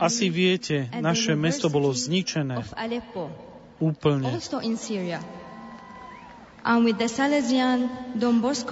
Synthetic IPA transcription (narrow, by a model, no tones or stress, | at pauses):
asiʋɪɛcɛnaʃɛmɛst̪ɔbɔlɔzɲit͡ʃɛnɛːalɛpːo | uːpl̩ɲɛlst̪oʔɪ̃nsiɹia | ʔãnwɪðəsalɛziãnd̪ɔ̃mbɔsk